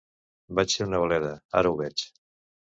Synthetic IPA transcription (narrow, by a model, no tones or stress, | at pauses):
bat͡ʃseɾunəβəlɛðəa̰ɾəuβɛt͡ʃ